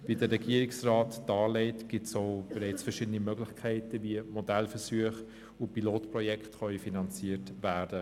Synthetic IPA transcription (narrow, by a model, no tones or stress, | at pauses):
vidəɾːɛɡiəɾɪiksraːtd̥ɑːlɛɪtɡ̥ɪtsoʊbɛɾɛɪt͡sfəʃɪdənimœɡlɪçkʰɛɪtəviəmɔdɛlfəsyəχ | ʊpiloːtprɔjɛkχtχœifinɑnt͡siətvæːɾd̥ə